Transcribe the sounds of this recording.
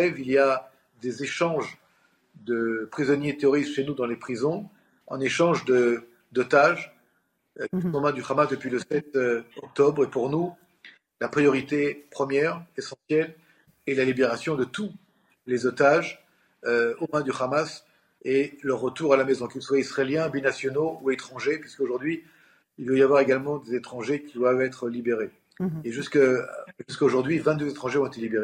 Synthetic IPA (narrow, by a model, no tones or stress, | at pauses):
ɛvilia | d̪ezeʃɑ̃ʒ | d̪əpχizɔnjet̪eɔʁizʃenud̪ɑ̃lepχizɔ̃ | ɑ̃neʃɑ̃ʒd̪ə | d̪ot̪aʒ | iɔ̃mɛ̃d̪yχamasd̪əpɥiləsɛt̪ɔk̚t̪ɔbʁepuʁnu | lapχijɔʁit̪epχəmjɛʁesɑ̃sjɛl | ɛlalibeʁasjɔ̃d̪ət̪u | lezot̪aʒ | øomɛ̃d̪yχamas | eləʁːət̪uʁalamezɔ̃kilswaisχeljɛ̃binasjɔnouet̪χɑ̃ʒepɥiskoʒuʁd̪ɥi | ilvəjavwaʁeɡalmɑ̃d̪ezet̪χɑ̃ʒekʲid̪wavɛt̪χəlibeʁe | eʒyskʒyskoʒuʁd̪ɥivɛ̃t̪̚d̪øzet̪χɑ̃ʒeɔ̃et̪elibeʁe